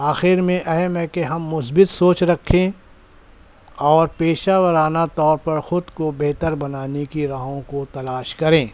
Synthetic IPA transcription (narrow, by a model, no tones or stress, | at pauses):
aːxɪɾmẽʔɐɦɛmɛ̃keɦɐmːʊsbɪt̪soːt͡ʃɾɐkʰːẽ | ɔːɾpeːʃaːwəɾaːnat̪ɔːɾpɐɾxʊd̪kobeɦt̪əɾbɐnaːnekiɾɐɦõkot̪ɐlaːʃkɐɾẽː